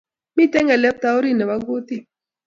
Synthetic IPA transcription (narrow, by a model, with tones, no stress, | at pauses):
mi˦tɛ˦ŋɛ˨lɛ˦p̚t̪a˦o˦ɾi˦˨nɛ˨wa˦ɡo˦t̪i˦˨